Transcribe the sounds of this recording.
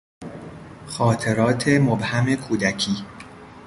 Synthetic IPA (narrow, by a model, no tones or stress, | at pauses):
xɒːt̪ʰe̞ɾɒːt̪ʰe̞mobhæme̞kʰuːd̪æcʰiː